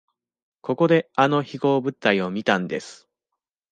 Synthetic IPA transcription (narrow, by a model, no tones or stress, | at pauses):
ko̞ko̞d̪e̞ano̞çiɡo̞ːbɯ̟t̪ːaio̞mʲit̪ãnd̪e̞sɨ̥